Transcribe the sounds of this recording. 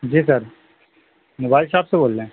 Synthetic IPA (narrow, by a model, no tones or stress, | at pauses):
d͡ʒiːsɐɾ | moːbaːɪlsaːpseboːlːẽ